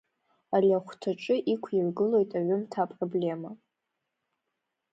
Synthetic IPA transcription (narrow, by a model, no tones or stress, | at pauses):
alʲaχʷtʰaʈ͡ʂʼɨʔikʷʰirɡɨlo̞jtʼaɥʏmtʰapʼroble̞ma